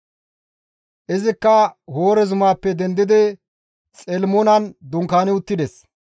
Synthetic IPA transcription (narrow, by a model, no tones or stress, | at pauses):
ʔɪzɪkːɐho̞ːɾɛzʊmaːpːɛd̪ɛnd̪ɪd̪ɪ | t͡sʼɛlmɔnɐnd̪ʊŋkaːnɪʊt̪ːɪd̪ɛs